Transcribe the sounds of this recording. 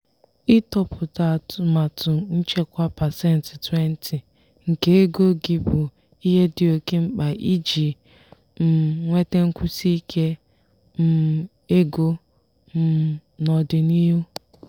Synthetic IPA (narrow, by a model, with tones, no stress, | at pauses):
ɪ˦tɔ˦pʊ˨ta˨tʊ˨ma˨tʰʊ˨n̩˦t͡ʃe˦kʷa˦pa˨sɛ˦n̩˨ti˨te˦n̩˦tʰi˨ | ŋ̩˨ke˦e˦ɡo˦ɡɪ˨bʊ˨ | i˦ɦe˦dɪ˨o˨ke˦ŋ͡m̩˦k͡pa˨ʔi˦d͡ʒi˨ | m̩˨ŋʷe˦te˦ŋ̩˦kʷʊ˦si˦kʰe˦ | m̩˦˨ | e˦ɡo˦ | m̩˨nɔ˨dɪ˨ni˦ɦu˦